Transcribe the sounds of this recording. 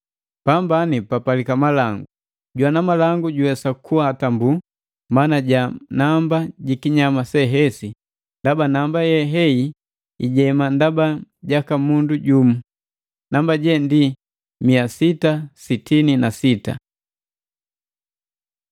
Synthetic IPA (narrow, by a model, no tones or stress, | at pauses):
pambanipapalikamalaŋɡu | ɟwanamalaŋɡuɟuwɛsakʰuatambu | manaɟanambaɟikiɲamasɛɦɛsi | ndabanambajɛɦɛi | iɟɛmandabaɟakamunduɟumu | nambaɟɛndi | miasitasitininasita̰